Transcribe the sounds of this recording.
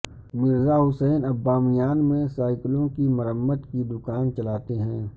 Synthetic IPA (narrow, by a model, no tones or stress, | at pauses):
mɪɾzaɦʊsɛːnɐbːaːmijaːnmẽsaːɪklõkimɐɾəmːəd̪kid̪ʊkaːnt͡ʃɐlaːt̪eɦɛ̃ː